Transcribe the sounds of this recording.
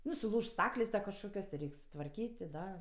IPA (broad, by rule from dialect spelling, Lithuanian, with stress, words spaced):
ˈnʊ sʊˈlˠuːʃt ˈstɑːklʲeːsʲ tɐ kɐʃˈkoːkʲoːs tʲɪ ˈrʲɛɪkʲ sʊtʋɐrʲˈkʲiːtʲ tʲɪ ˈdɐ